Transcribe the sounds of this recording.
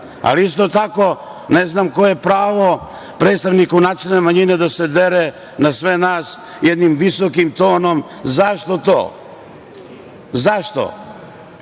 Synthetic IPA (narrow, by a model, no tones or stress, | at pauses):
a̰liist̪ot̪ako̞ | neznaːmko̞jepɾaːʋo | pɾet̪st̪aʋnikunat̪enemaɲined̪ased̪eɾe | nasʋenaːs | jed̪nimʋisokimt̪o̞ːno̞m | zaʃt̪o̞t̪o̰ː | zaʃt̪o̰